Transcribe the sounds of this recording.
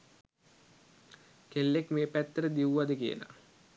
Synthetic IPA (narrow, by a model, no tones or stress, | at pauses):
kelːekmeːpæt̪ːəɾəd̪iʋuʋad̪əkiə̰la̰